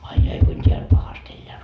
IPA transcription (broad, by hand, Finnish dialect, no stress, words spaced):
ɑi jɑi kuin tʲeælʲ pɑhɑst elːeæ